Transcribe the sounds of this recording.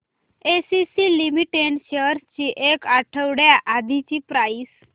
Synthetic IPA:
esisilimiʈeɳɕəɾt͡ɕiʔekaʈʰəʋɽjaʔad̪ʱit͡ɕipɾais

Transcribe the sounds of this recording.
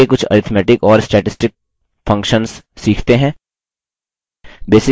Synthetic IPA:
ekʊt͡ʃʰɐ̰ɾɪt̪ʰmɛːʈɪkɔːɾsʈɛːʈɪsʈɪk̚ | fɐ̃ŋkʃənsː | iːkʰt̪eɦɛ̃ː | beːsɪ

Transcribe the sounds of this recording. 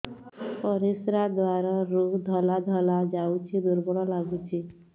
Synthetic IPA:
pɔɾisɾad̪waɾɔɾukd̪ʱɔlad̪ʱɔlad͡ʒawt͡ʃʰid̪uɾbɔɽɔlaɡut͡ʃʰi

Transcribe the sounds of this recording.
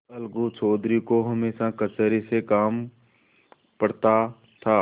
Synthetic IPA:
ɐlɡut͡ʃʰoːd̪ɾikoɦɐmeːʃakət͡ʃəɾisekaːm | pəɽt̪a | t̪ʰa

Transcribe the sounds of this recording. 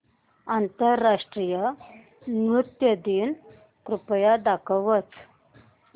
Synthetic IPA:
ant̪əɾːaʂʈɾijə | nɾut̪jəd̪iːn | kɾupjad̪akʰəʋət͡s

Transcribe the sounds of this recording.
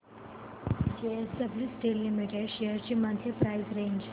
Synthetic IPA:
d͡ʒeesəblisʈelːimiʈeɖʃejəɾt͡ɕimãnt̪ʰjepɾaizɾẽːɲd͡ʒ

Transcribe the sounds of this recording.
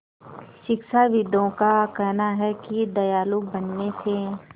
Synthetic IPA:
ʃɪkʃaʋɪd̪õkakɛɦnaɦɛkid̪ɐjaːlubɐnːesʰẽː

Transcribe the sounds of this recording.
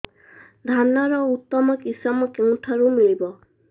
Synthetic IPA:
dʱanːaɹɔut̪ːɔmɔkisamɔkew̃tʰaɹumilibɔ

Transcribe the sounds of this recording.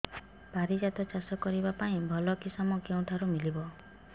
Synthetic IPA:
paɾid͡ʒat̪ɔt͡ʃasɔkɔɾibapaĩbʱɔlɔkisɔmɔkew̃ʈʰaɾumilibɔ

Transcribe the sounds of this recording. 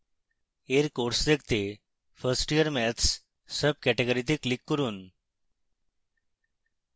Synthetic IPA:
eɾkoɾsd̪ek̚ʰt̪e | fəɾsʈijəɾmɛt̪ʰs | səb̚kɛʈeɡəɾit̪iklikːəɾuːn

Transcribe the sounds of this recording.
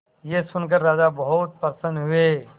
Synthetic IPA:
jesʊnk̬əɾːaːd͡ʒabəɦʊt̪̚pəɾsə̃ndɦʊe

